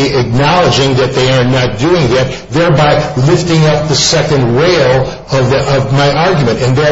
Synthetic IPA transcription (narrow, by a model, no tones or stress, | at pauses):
iɨk̚nɑlˠəd͡ʒɪ̃ŋðɨt̪̚ðeɪə˞nət̚d̥uɪ̃ŋðɨt̪̚ | ðɛɹbaɪlɪftɪ̃ŋʌp̚ðɨsɛkɨ̃nd̚ɹeɪlˠ | ʌvʌvmaɪʔɑɹɡjmɨ̃ntɨ̃nðɛ